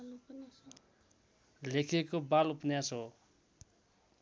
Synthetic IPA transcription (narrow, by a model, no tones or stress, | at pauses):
lekʰekobalupnjaso